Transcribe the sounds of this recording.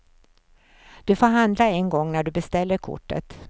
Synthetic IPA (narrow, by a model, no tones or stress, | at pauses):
d̪̥ɵfoːɾɦand̪laɛnɡɔŋːnæɖɵbɛst̪ɛlːəɾkʰʊ̰ʈːə̰t̪